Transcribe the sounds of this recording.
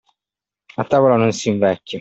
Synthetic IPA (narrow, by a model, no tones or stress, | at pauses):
at̪ːaːvolanonsiɱvɛkʲːa